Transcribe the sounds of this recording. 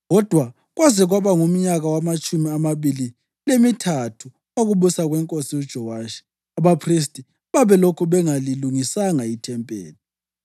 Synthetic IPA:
ɣɔd̥ʱwa | ɣwazɛɣwaβaŋum̩ɲaɣawamat͡ʃʼumiamaβili | lemitʰatʰu | oɣuβusaɣwɛŋkʼosiud̥ʒ̥ʱɔwaʃi̥ | aβapʰris̬tʼi | βaβɛlokʰuβɛŋaliluŋisaŋaitʰɛmpʼḛːli

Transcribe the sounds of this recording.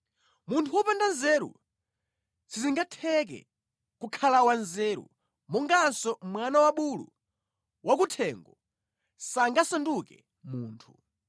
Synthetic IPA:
muntʰuwɔpandanzɛɾṵ | t͡sʰiziŋɡatʰɛk̬ɛ̰ | kukʰalawanzɛɾṵ | mɔŋɡansɔmwanawaɓulṵ | wʔakutʰɛŋɡɔ | saŋɡasandukɛ̰ | muːntʰu

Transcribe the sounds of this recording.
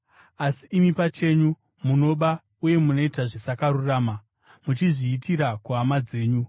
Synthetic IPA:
asiʔːmipat͡ʃe̞ɲu | muno̞ɓa | uje̞muno̞itaʐisakaɾuraːma | mut͡ʃiʐiːtiɾakuɦamad͡ze̞ːɲu

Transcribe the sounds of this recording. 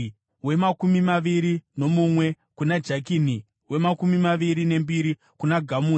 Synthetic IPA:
we̞makumimaʋiɾino̞mumwe̞ | kunad͡ʒak̬ini | we̞makumimaʋiɾine̞mbiɾi | kunaɡʱamu

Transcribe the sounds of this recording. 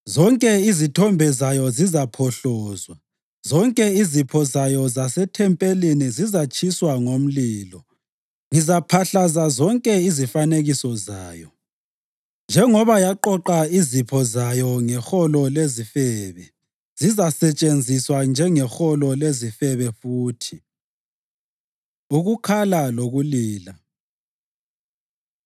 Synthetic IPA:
zɔŋkʼɛizitʰɔmbʱɛzajɔzizapʰɔɬɔːzwa | zɔŋkʼɛizipʰɔzajɔzasɛtʰɛmpʼelinizizat͡ʃʰʼiswaŋom̩liːlɔ | ŋizapʰaɬazazɔŋkʼɛizifaneɣisɔza̰ːjɔ | nd͡ʒʱɛŋɔβajaǃɔǃaizipʰɔzajɔŋɛxɔlɔlezifɛːβɛ | z̥izasɛt͡ʃʼend͡zʱiswand͡ʒʱɛŋɛxɔlɔlezifɛβɛfuːtʰi | uɣukʰalaloɣuliːla

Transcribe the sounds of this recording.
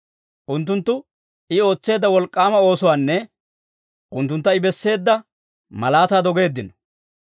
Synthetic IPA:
ʔʊnt̪ːʊnt̪ːʊ | ʔɪo̞ːt͡sːe̞ːd̪ːɐwɔlkʼːaːmɐo̞ːsʊwaːnːɛ | ʔʊnt̪ːʊnt̪ːɐɪbɛsːe̞ːd̪ːɐ | mɐlaːt̪aːd̪ɔɡe̞ːd̪ːɪnɔ̥

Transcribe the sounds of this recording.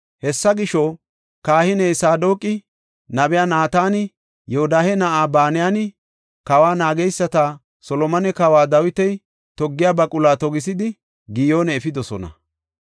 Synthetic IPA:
hɛsːɐɡɪʃɔ | kaːhɪnɛjsaːd̪o̞ːkʼɪ | nɐbɛjaːnaːt̪aːnɪ | jɛɔd̪aːhɛnɐʔaːbaːnɪjanɪ | kɐwaːnaːɡɛjsːɐt̪aː | sɔlɔmɐnɛkɐwaːd̪ɐwɪt̪ɛj | t̪ɔɡːɪjaːbɐkʼʊlaːt̪ɔɡɪs̬ɪd̪ɪ | ɡɪjo̞ːnɛːfɪd̪ɔsɔ̰nɐ̰

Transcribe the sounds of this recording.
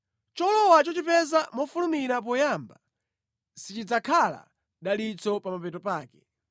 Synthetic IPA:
t͡ʃɔlɔwat͡ʃɔt͡ʃipɛzamɔfulumiɾap̬ɔjaːmba | sit͡ʃid͡zakʰala̰ | ɗalit͡sɔpamapɛtɔpaːkɛ

